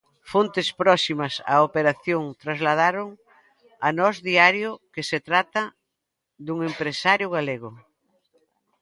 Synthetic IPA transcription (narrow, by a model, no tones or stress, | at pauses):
font̪ɪspɾɔsimɐsa̰opeɾaθjoŋt̪ɾazlað̞aɾoŋ | ɐnɔzðiaɾjʊkeset̪ɾat̪ɐ | ðuŋempɾesaɾjʊɣaleɣʊ